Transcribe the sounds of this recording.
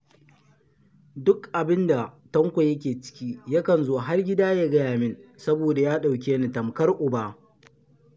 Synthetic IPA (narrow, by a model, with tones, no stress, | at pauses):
dʊ˦kʔa˨bɪ˦nda˨tɐ˦ŋkʷa˨jɐ˦k̬ʲeː˨t͡ʃɪ̥˦kʲiː˦ja˦kɐ˨nzoː˦ɦa˦rɡʲɪ˦daː˦jaː˦ɡɐ˦jaː˨mɪ˦nsɐ˦boː˨da˨jaː˦ɗa˨wk̬ʲeː˦ni˨tɐ˨mkɐ˦rʔʊ˨baː˦